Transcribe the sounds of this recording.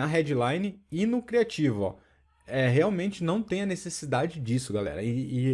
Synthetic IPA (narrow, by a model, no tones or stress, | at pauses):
ɐɦɛd͡ʒɪlãjnɪɪnʊkɾiat͡ʃivʊɔ̰ | ɛɦeawmẽnt͡ʃɪnɐ̃w̃t̪ẽj̃ɐnesesid̪ad͡ʒɪd͡ʒisʊɡalɛ̰ɾɐɪː